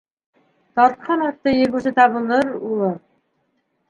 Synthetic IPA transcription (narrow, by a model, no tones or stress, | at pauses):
t̪ɑɾt̪̚qʰɑnɑt̪ːɤjɘ̆ɾɡʉsɘt̪ɑβɤ̆lˠɤɾulˠɤ